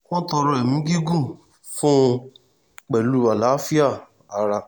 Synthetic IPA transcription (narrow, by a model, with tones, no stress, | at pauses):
kɔ̃˦tɔ˧ɾɔ̃˧˦ɛ˨mĩ˨˦ɡi˦ɡũ˦˨ | fũ˦ | k͡pɛ˨lu˦a˨la˨˦fi˦a˦˨ | a˨ɾa˧